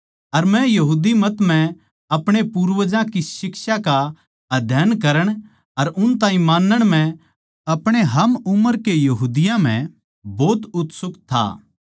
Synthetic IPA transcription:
ɐɾmɛ̃jɐɦuːd̪imɐt̪m̤ɛ̃ | ɐpɽ̃epuːɾʋəd͡ʒãkisɪkʃaka | ɐd̪ʱjaːnkɐɾəɽ̃ | ɐɾʊnt̪ãːĩmãːnəɽ̃mɛ̃ | ɐpɽ̃eɦɐmʊməɾkejɐɦuːd̪ɪjãm̤ɛ̰̃ | boːt̪ʊt̪sʊkt̪ʰːa̰

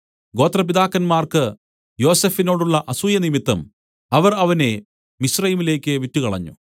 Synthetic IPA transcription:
ɡo̞ːt̪rɐpiðaːkːɐnmaːrkɨ | jo̞ːsefino̞ːɽuɭːɐʔɐsuːjɐnimit̪ːɐm | ɐʋɐrɐʋɐne̞ | misrɐjimile̞ːkʲːɨʋitːukɐɭɐ̰ɲːṵ

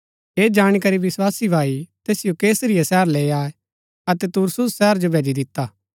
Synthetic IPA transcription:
eːd͡ʒaːɽ̃ikɐɾiʋɪswaːsibʱaːit̪eːsijokeːsɾɪjasɛɦəɾleːaːe | ɐt̪ɛt̪uɾsʊsːɛːəɾd͡ʒobʱeːd͡ʒid̪ɪt̪ːaː

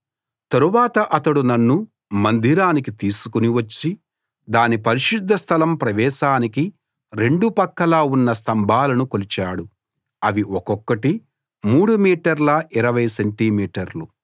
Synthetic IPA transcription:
t̪ɐɾuʋaːt̪ɐʔɐt̪ɐɽunɐnːu | mɐnd̪ʱiɾaːnikit̪iːsukuniʋɐt͡ʃːi | d̪aːnipɐɾiʃud̪ʱːɐst̪ʰɐlɐmpɾɐʋɛːʃaːniki | ɾe̞ɳɖupɐkːɐlaːunːɐs̬t̪ʰɐmbʱaːlɐnukolit͡ʃaːɽu | ɐʋiʔɔkɔkːɐʈi | muːɽumiːʈɐɾlɐʔiɾɐʋɐjs̬eɳʈimiːʈɐɾlu

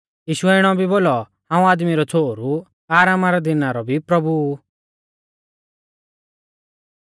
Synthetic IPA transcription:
jiːʃuɛɪɽ̃ɔbʱiboːlɔ | hãːũaːd̪miɾɔt͡sʰoːɾu | aːɾaːmaɾɔd̪ɪnaɾɔbʱipɾɐbu

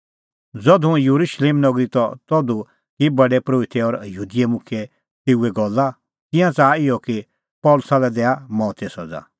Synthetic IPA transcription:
d͡zɔd̪ũjuɾuʃleːmnɔɡɾit̪ɔt̪ɔd̪u | kibɐɖɛpɾoːɪt̪ɛɔɾjɦuːd̪ɪjamʊ̃kʰijɛ | t̪ɪuɛɡɔlːa | k̪ɪ̃jãt͡saːɪjɔki | pɔːlʊsalɛd̪ɛːamɔːt̪esɐd͡za̰

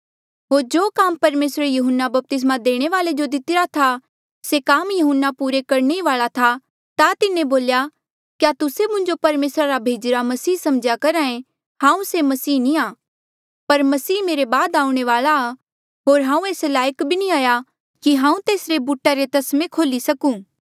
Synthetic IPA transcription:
ɦoːɾd͡ʒoːkaːmpɐɾmeːsɾjʊɦʊnːabɐp̚t̪ɪs̬mãd̪eːɽ̃eʋaːled͡ʒod̪ɪt̪ɪɾat̪ʰa | sekaːmjɐɦʊnːapuːɾekɐɾñeiʋaːɭat̪ʰa | t̪at̪ɪnẽboːlja | kjat̪ʊsemʊ̃ɲd͡ʒopɐɾmeːsɾaɾabʱeːd͡ʒɾamɐsiːsɐmd͡ʒjakɐɾaːẽ | ɦãːũsemɐsiːnĩaː | pɐɾmɐsiːmeːɾebaːd̪aːũɽ̃eʋaːla | ɦoːɾɦãːũeːslaːjəkbʱinĩaːja | kiɦãːũt̪eːsɾebuʈːaɾet̪ɐsmẽkʰoːlisɐkũː

